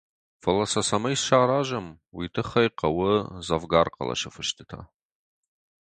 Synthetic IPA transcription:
fɐlɐsɐsamɐjsʃaːɾaʒam | witʰɨχɐjqʼawʊzavɡarqʼa̰la̰ʃɨfɨʃtʰɨtʰa̰

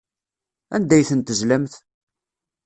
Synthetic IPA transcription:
æ̰nd̪æjθənt̪əzlæmθ

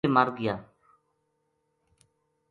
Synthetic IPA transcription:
eːmaːɾɡɪjaː

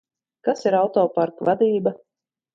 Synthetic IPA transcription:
kasiɾawt̪ɔːpaɾkvad̪iːba

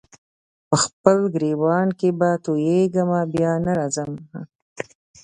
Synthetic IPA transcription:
pəxpəlɡɾewɑːnkebat̪ojeɡəmabjɑːnaɾɑzəm

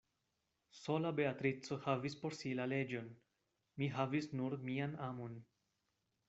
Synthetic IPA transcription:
so̞labe̞atɾit͡so̞havispo̞ɾsilale̞d͡ʒo̞n | miɦavisnuɾmianamo̞n

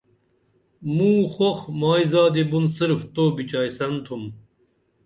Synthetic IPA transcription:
mũːxoxmaːizaːd̪ebunsiɾft̪oːbit͡ɕaːjsɐnt̪ʰum

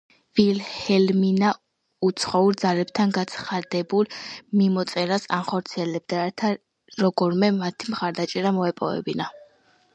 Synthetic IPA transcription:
vilhɛlmina | ut̪sʰχɔuɾd̪zalɛbt̪ʰanɡat̪sʰχad̪ɛbulˠmimɔt̪sʼɛɾasanχɔɾt̪sʰiɛlɛb̚d̪at̪ʰa | ɾɔɡɔɾmɛmat̪ʰimχaɾd̪at͡ʃʼɛɾamɔɛpʼɔ̰vɛ̰bina

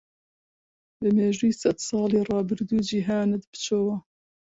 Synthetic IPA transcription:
bɨmeːʒujisɛd̪sɑːleːrɑːbɨɾd̪uːd͡ʒiɦaːnɨd̪bɨ̥t͡ʃʰoːwa

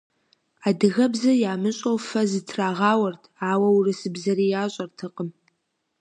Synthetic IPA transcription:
aːdɨɣɐbzɐjaːmɨɕʼowfɐzɨtʰraːʁaːwɐrtʰaːwɐwurɨsɨbzɐɾijaːɕʼɐrtʰɨqʼəm

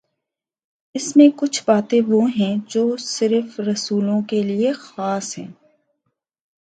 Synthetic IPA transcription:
ɪsmẽkʊt͡ʃʰbaːt̪ẽʋoɦɛ̃d͡ʒoːsɪɾfɾɐsuːlõkeliexaːsɦɛ̰̃ː

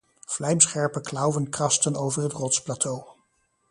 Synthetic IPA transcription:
v̥lɛjmsχɛɹpəklɑwʋənkrɑstənowvəɹɦətrɔtsplatʰow

